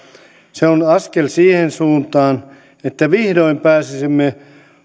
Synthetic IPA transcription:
seonɑskelsiːhensuːnt̪ɑːn | et̪ːæʋihdoimpæːsisimːe

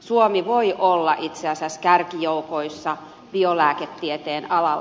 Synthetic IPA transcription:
suomiʋoiʔolːɑʔit̪seɑsiæskærkijoukoisːɑ | b̥iolæːket̪ːiet̪eːnɑlɑ

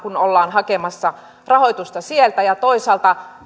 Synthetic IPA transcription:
kunolːɑːnhɑkemɑsːɑ | rɑhojt̪ust̪ɑsielt̪æjɑt̪oisɑːlt̪ɑ

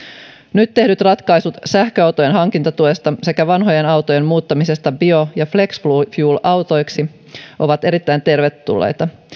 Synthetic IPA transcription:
nyt̪ːe̞hdyt̪rɑt̪kɑjsut̪sæhkøɑwt̪ojenɦɑŋkint̪ɑt̪uest̪ɑse̞kæʋɑnɦo̞je̞nɑwt̪o̞jemmuːt̪ːɑmise̞st̪ɑbio̞jɑfle̞ksflufjuːlɑwt̪o̞jksi | ʔo̞ʋɑt̪e̞ɾit̪ːæjnt̪e̞rʋet̪ːṵlːḛjt̪ɑ

